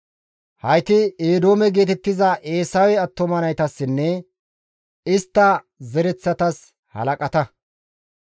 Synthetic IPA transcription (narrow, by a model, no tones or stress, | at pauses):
hɐjt̪ɪeːd̪o̞ːmɛɡe̞ːt̪ɛt̪ːɪzɐʔe̞ːsɐwɛɐt̪ːɔmɐnɐjt̪ɐsːɪnːɛ | ɪst̪ːɐ | zɛɾɛt͡sːɐt̪ɐs | hɐ̰lɐkʼɐt̪ɐ